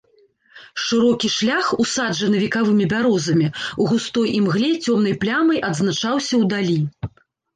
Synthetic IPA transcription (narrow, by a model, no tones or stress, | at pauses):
ʂɨɾɔkʲiʂlʲaxusad͡ʐɐnɨvʲikavɨmʲibʲaɾɔzɐmʲiuɣust̪ɔjʔimɣlʲɛt͡sʲɔmnɐjplʲamɐjʔɐd̪zn̪at͡ʂawsʲɐwd̪alʲi